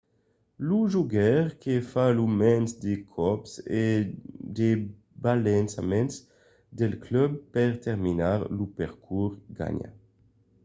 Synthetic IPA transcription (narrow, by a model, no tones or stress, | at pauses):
luʒuɡɛʁkefalumɛnsd̪ekʰɔpsed̪e | balensamɛns | d̪ɛlklœb̚pɛʁt̪ɛʁminaʁlupɛʁkʰuʁɡa̰ɲa̰